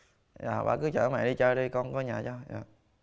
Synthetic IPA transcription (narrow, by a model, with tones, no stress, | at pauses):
ja̰ː˨˩ɓa̰ː˧˩kɨ˨˦t͡ɕə̰ː˧˩˦mɛ̰ː˧˨ɗi˧t͡ɕəː˧˩ɗi˧kɔ˧nkɔ˨˦ɲaː˨˩t͡ɕɔ˧ja̰ː˨